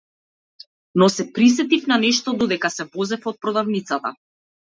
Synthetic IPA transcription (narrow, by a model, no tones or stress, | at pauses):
nɔsɛpɾisɛt̪ifnanɛʃt̪ɔd̪ɔd̪ɛkasɛvɔzɛfɔt̪̚pɾɔd̪avnit̪sat̪a̰